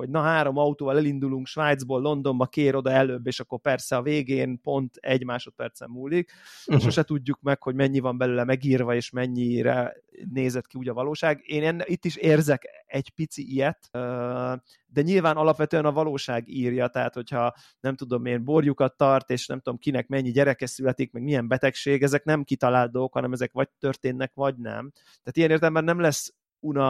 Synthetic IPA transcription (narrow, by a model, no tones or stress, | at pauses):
ho̞ɟnɒɦaːɾo̞mɒut̪oːvɒlɛlind̪uluŋkʃʋaːjd̪zboːlːo̞nd̪o̞mbɒkeːɾo̞d̪ɒɛløːbːeːʃɒkːo̞rpɛrsɛɒveːɡeːnpo̞nt̪ɛ̰ɟmaːʃo̞t̪̚pɛrt̪sɛ̰mːuːlːik̚ | ʃoʃɛt̪uɟːukmɛkho̞ɟmɛɲːivɒmbɛløːlɛmɛɡiːrvɒeːʃmɛɲːiɾɛ̰ | neːzɛt̪kiuːɟɒvɒloːʃaːɡeːnɛnːit̪ːiʃeːrzɛkɛɟpit̪siʔijɛt̪ø | d̪ɛɲilvaːnɒlɒpʋɛt̪øɛnɒvɒloːʃaːɡiːrjɒt̪ɛɦa̰ːt̪ho̞chɒ | nɛmt̪ud̪o̞meːnborjukɒt̪ːɒrt̪eːʃnɛ̰mt̪ud̪o̞mkinɛkmɛɲːiɟɛɾɛkɛsylɛt̪ik̚mɛɡmiɛmbɛt̪ɛkʃeːɡɛzɛknɛmkit̪ɒlaːld̪ookhɒnɛmɛzɛkʋɒɟ̚t̪ørt̪eːnːɛkʋɒɟnɛ̰m | t̪ɛaːt̪ijɛneːrt̪ɛlɛmbɛnːɛmlɛsː | unɒ